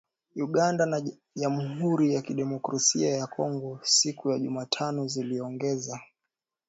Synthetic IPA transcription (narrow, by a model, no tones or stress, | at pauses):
uɠandana | ʄamuɦuɾijakiɗɛmɔkɾasiajakʰɔŋɡɔsikujaʄumaːtʰanɔziliɔŋɡɛza